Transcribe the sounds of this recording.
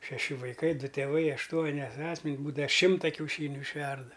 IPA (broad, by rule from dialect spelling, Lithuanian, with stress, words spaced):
ʃʲɛˈʃʲɪ ʋɐɪˈkɐɪ ˈdʊ tʲeːˈʋɐɪ ɐʃˈtuɔnʲɪ ˈɑːsʲmʲɛnʲsʲ ˈbuːdɐ ˈʃʲɪmtɐ kʲɛʊˈʃʲiːnʲʊ ɪʃʲˈʋʲɛrdɐ